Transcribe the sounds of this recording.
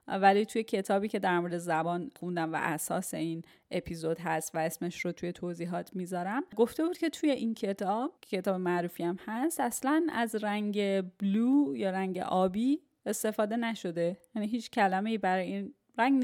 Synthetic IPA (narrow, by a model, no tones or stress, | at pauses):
vælit̪ʰujecʰe̞t̪ʰɒːbiːcʰe̞d̪æɾmo̞ɾed̪ezæbɒːnxund̪æmvæ̰ʔæsɒ̰ːse̞in | ʔe̞pʰizo̞d̪ɦæst̪væe̞smeʃrot̪ʰuje̞t̪ʰoziːɦɒːt̪ʰmiːzɒːɾæmɡo̞ft̪e̞buːd̪̚cʰe̞t̪ʰuje̞ʔincʰe̞t̪ʰɒːb̥̚cʰe̞t̪ɒːbemæɾuːfiæmhæst̪æslænæ̰zɾæŋɟe̞bluːjɒːɾæŋɟḛʔɒːbiː | e̞st̪e̞fɒːd̪e̞næʃo̞d̪e̞jæniɦiːt͡ʃʰcʰælæme̞ibæɾɒːjein | ɾæŋɡn